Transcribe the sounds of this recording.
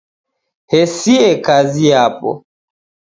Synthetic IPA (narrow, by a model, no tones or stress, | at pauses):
hɛsiɛkaziapɔ̰